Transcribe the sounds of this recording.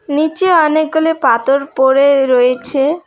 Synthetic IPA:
nit͡ɕeɔnek̚ɡolepat̪oɾpoɾeɾoet͡ɕʰe

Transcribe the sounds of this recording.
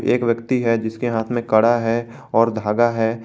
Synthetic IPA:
ḛːkʋjəkt̪iɦɛd͡ʒɪskeɦaːt̪ʰmẽkɐɽaɦɛ | ɔːɾd̪ʱaːɡaɦɛː

